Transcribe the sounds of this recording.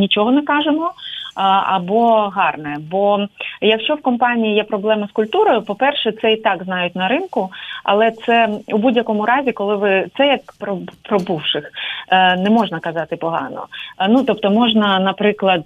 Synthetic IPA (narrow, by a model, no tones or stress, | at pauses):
nʲit͡ʃɔɦɔnɪkɑʒemɔ | ɐ̰bɔɦɑrnɛbɔjɐkʃt͡ʃɔwkɔmpɑnʲijijɛpɾɔblˠɛmɐskʊlʲt̪uɾɔjʊpɔpɛrʃɛt̪sɛit̪ɑɡznɑjʊtʲnɐɾɪnkʊɐ̰lˠɛt̪sɛubudʲjɐkɔmʊɾɑzʲikɔlˠɪʋɪt̪sɛjɐkpɾɔpɾɔbuwʃɪxnɛmɔʒnɐkɐzɑt̪ɪpɔɦɑ̰nɔ̰nut̪ɔp̚t̪ɔmɔʒnɐnɐpɾɪklˠɐd̪̚